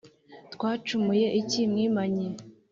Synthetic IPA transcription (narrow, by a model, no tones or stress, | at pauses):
t̪kwaːt͡ʃumuje̞ʔicimŋiːmaɲi